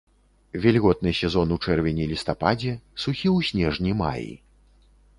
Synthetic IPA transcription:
vʲɛlʲɣɔt̪̚nɨsʲɛzɔnut͡ʂɛrvʲɛnʲilʲist̪apad͡zʲɛsuxʲiwsʲnʲɛʐnʲima̰jḭ

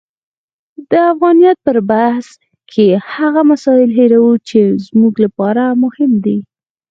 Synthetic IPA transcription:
d̪əafɣɑnijɑt̪̚pəɾbahs | kʰehaɣamasɑɪlɦeɾawut͡ʃezmuɡlapɑɾamʊhɪmd̪i

